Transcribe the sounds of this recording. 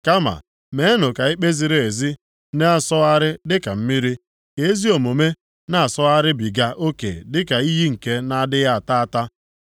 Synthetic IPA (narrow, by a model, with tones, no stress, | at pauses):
ka˦ma̰˨ | me˨˦e˦nʊ˨ka˨i˦k͡pe˦zi˨ɾe˨e˨zi˦ | ne˦a˨sɔ˦a˦ɾɪ˦dɪ˦ka˨m̩˦mi˦ɾi˦ | ke˦zi˦o˨mo˨me˦ | na˦a˨sɔ˦a˦ɾɪ˦bi˨ɡa˦ʔo˦kḛ˨dɪ˦ka˨i˦ɦi˦ŋ̩˨ke˦na˦dɪ˦ɣa˦a˨ta˦a˨ta˦